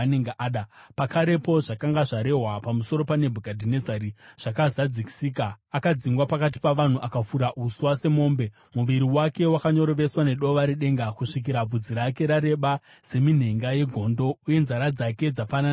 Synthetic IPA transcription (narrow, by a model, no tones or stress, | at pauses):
neŋɡeʔɗapakʰaɾe̞po̞ʐakaŋɡaʐaɾe̞ɦwapamuso̞ɾo̞pane̞bʱuɡʱadʱinezaɾiʐ̥akazad͡ziki̥siːkaː | kad͡ziŋɡwapakat̬i̥paʋan̤uʔakafuɾaʔuswase̞mo̞ːmbe̞ | muʋiɾiwake̞wakaɲo̞ɾoʋe̞swane̞ɗo̞ʋaɾiɗe̞ŋɡakuʂik̬iɾab͡vud͡ziɾake̞ɾaɾe̞ɓa | se̞min̤e̞ŋɡaje̞ɡʱo̞ːndo̞uje̞nzaɾad͡zake̞d͡zapanan